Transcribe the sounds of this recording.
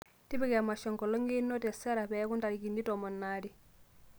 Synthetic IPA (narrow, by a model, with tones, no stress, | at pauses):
ti˦bi˦kɛ˨a˨ma˨ʃɔ˨ŋkɔ˨lɔ˦ŋɡi˦nːɔ˦tɛ˨sɛ˦ɾa˨bɛ˦ku˦nta˨ɾiki˨ndi˦tɔmɔ˨nːaːdi˨